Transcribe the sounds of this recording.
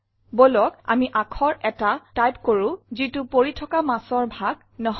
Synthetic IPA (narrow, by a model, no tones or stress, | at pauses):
bolɔka̰miʔakʰɔɹʔɛtatajpkoɹʊ̃zitupoɹitʰɔkamasɔɹbʱaɡ | nɔɦ